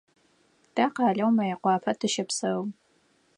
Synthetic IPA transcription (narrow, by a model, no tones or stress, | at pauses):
d̥aqɑːɮɐwmɐjaqʷɑːpʰɐtʰɨʃɐpsɐ